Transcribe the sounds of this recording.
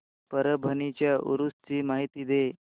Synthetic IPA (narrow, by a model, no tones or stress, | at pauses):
pəɾəbʱənit͡ɕjaʔṵɾust͡ɕiːmaɦit̪iːd̪e